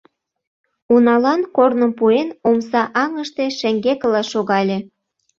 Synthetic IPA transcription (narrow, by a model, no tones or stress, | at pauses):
unɑlɑnkornə̆mpuenomsɑʔɑŋə̆ʃt̪e̽ʃĕŋɡekə̆lɑʃoɣɑlʲe